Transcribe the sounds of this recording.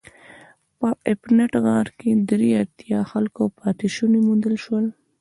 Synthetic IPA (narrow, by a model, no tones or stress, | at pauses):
pəʔɪpnaʈɣɑ̃ɾked̪ɾiaɾt̪jɑxalkopɑt̪ɪʃunemund̪əlʃwəl